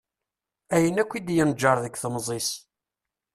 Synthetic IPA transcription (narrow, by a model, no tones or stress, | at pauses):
æjənækʷːid̪jənd͡ʒːəɾˤðəkθəmzˤis